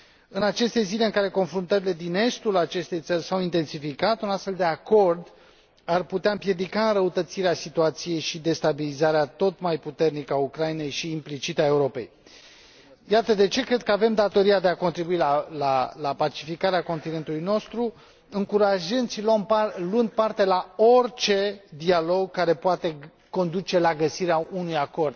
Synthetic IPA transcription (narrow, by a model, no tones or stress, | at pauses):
ɨnat͡ʃe̞st̪e̞zile̞ɨŋkaɾe̞ko̞nfɾunt̪əɾile̞d̪ine̞st̪ulat͡ʃe̞st̪e̞jt̪sərʲsawint̪e̞nsifikat̪unast̪fe̞ld̪e̞ako̞rd̪ | arput̪eaɨmpje̞d̪ikaɨnɾəut̪ət̪siɾeasit̪uat̪sije̞jʃid̪e̞st̪abilizaɾeat̪o̞t̪majput̪e̞rnikəaukɾajine̞jʃiːmplit͡ʃit̪ae̞uɾo̞pe̞̰j | jat̪əd̪e̞t͡ʃe̞kɾe̞d̪̚kəave̞md̪at̪o̞ɾiad̪e̞ako̞nt̪ɾibuilalalapat͡ʃifikaɾeako̞nt̪ine̞nt̪ulujno̞st̪ɾu | ɨŋkuɾaʒɨnd̪siloomluɨnd̪̚part̪e̞lao̞rʲt͡ʃe̞d̪ialo̞ɡkːaɾe̞poat̪e̞ | ko̞nd̪ut͡ʃe̞laɡəsiɾeaunujako̞rd̪̥̚